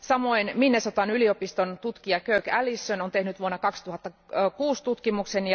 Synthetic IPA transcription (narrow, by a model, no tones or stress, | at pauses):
sɑmo̞jnminːesot̪ɑnylio̞pist̪ont̪ut̪kiɑkøykælisːønont̪e̞hnyt̪ʋuonːɑkɑkst̪uhɑt̪ːɑ | kuːst̪ut̪kimuksenj